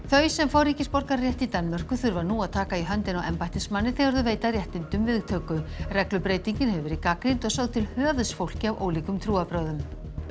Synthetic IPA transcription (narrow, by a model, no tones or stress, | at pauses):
θœɥsɛmfaːwɾiːcɪspɔɾkaɾrjɛht̪it̪anːmɛr̥kʏθʏɾvaɾnuːaðt̪ʰaːkaiɦœnt̪ɪnawɛmpajt̪ɪsmanːɪθeɣaɾðʏveːjt̪arjɛht̪ɪnt̪ʏmvɪðt̪ʰœːkʏrɛklʏpɾeːjt̪iɲcɪnhɛvʏɾikakɾint̪ɔɣsowðt̪ʰɪlhœːðsfowl̥cɪavʔo̰ːwliːkʏmt̪ʰɾuːapɾaːwðʏm